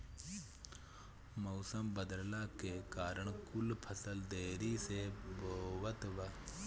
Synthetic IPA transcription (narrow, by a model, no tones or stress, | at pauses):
moːsəmbəd̪əllaːkekaːɾəɳ̃kʊlpʰɐsəld̪eːɾiseboːʋət̪ʋa